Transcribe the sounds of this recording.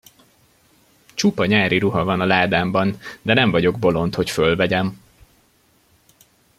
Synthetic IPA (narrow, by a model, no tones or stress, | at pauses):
t͡ʃupɒɲaːɾʔiɾuɦɒvɒnɒlaːd̪aːmbɒnd̪ɛnɛɱvɒɟo̞ɡ̚bo̞lo̞nt̪ho̞cfølvɛɟɛm